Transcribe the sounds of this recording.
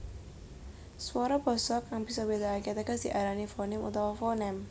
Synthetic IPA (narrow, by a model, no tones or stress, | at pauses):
swɔɾɔb̥ɔ̤sɔkːaŋb̥i̤sɔbed̪aaket̪əɡasd̪̥iʔaɾanifonɛmṵt̪awɔfonɛm